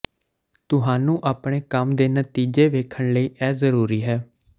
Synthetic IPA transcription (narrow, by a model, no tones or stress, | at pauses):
t̪ʊɦãːnũːʔaːpɳeːkəmd̪eːnət̪iːd͡ʒeːʋeːkʰəɳləiːʔɛːzəɾuːɾiːɦɛː